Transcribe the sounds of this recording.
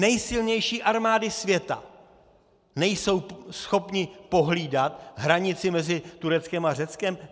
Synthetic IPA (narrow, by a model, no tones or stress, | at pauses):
nɛjsɪlɲɛjʃiːʔaɾmaːdɪsvjɛt̪a̰ | nɛjso̞wsxo̞pɲɪpo̞ɦliːdat̪ɦɾaɲɪt͡sɪmɛzɪt̪uɾɛt͡skɛmar̝ɛt͡skɛm